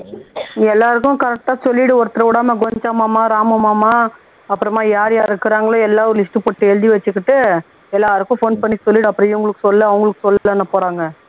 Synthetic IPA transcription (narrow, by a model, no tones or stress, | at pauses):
ɛlːaːɾɯkːʊ̃kɐɾɛk̚ʈaːsɔlːɪɽɯɔɾɯt̪ːɪɾɐʋɪɽaːmɐɡɔɲd͡ʒaːmaːmaːɾaːmɐmaːmaː | ɐpːɯɾɐmaːjaːɾjaːɾɪɾɯkːɯɾaːŋɡɐɭõɛlːaːʋɔɾlɪsʈɯpoːʈːɯɛɻɯðiʋɐt͡ʃːɯkːɪʈːɯ | ɛlːaːɾɯkːʊ̃foːnpɐɳːisɔlːɪɽɯɐpːɯɾɐ̃jʊŋɡɐɭɯkːɯsɔlːɐɐʋɐʊŋɡɐɭɯkːɯ̥sɔlːlɐnːɐpoːɾaːŋɡɐ